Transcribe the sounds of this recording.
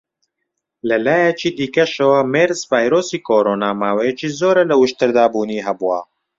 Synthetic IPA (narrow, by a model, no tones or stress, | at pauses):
lɐlaːjɐt͡ʃiːd̪iːkɐʃɐwɐmeːɾzvaːjɾoːsiːkʰoːɾoːnaːmaːwɐjɐt͡ʃiːzoːɾɐlɐwɨʃt̪ɨɾd̪aːbuːniːɦɐbuwɐ